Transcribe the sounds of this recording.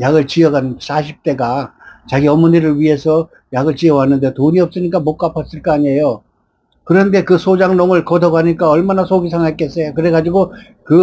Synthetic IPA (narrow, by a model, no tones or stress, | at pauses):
jaɡɯɭt͡ɕiʌɡans͈ʰaɕʰip̚t͈e̞ɡa | t͡ɕaɡiʌmuniɾɯɭɥiɦe̞sʰʌ | jaɡɯɭt͡ɕiʌwanːɯnde̞toɲiʌp̚s͈ɯɲik͈amok͈apʰʌs͈ɯɭk͈aaɲiɦejo | kɯɾʌnde̞kɯsʰod͡ʑaŋnoŋɯɭkʌdʌɡaɲik͈aʌɭmanasʰoɡis̬ʰaŋek͈es͈ʌjokɯɾe̞ɡad͡ʑiɡo | kɯ